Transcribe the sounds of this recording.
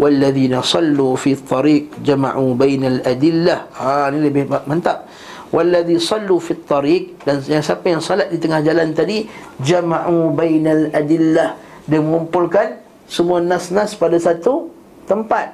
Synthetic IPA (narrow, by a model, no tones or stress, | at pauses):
wʔalːaðiːnasɑlːuːfiɑt̪ˤːɑɾiːq̚d͡ʒama̰ʕubajnalʔadɪlːahanĩləbɪhmamant̪aʔ̚ | wʔalːaðisˤɑlːufit̪ˤːɑɾiːq̚danaŋsiapajaŋsolat̪̚dit̪əŋahd͡ʒalant̪adi | d͡ʒamaʕubajnalʔadɪlːah | dəməŋumpʊlkan | səmuanasnaspadasat̪u | t̪əmpat̪̚